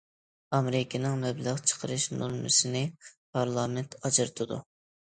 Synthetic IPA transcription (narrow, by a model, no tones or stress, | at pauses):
ɑmɾɪkʲɪnɨŋmɛbləʁt͡ʃʰə̥qʰəɾɨʃnṵlmɨ̰sɨnɪpʰɑɾlˠɑːmɛnt̪ʰɑd͡ʒɨɾɨt̪ʰɨd̪ṵ